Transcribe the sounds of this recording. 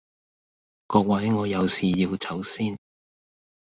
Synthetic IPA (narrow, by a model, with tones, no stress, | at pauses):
kɔː˧k̚wɐ˨˥jŋɔː˨˧jɐ˨˧wsiː˨ji˧wt͡sʰɐ˨˥wsiː˥n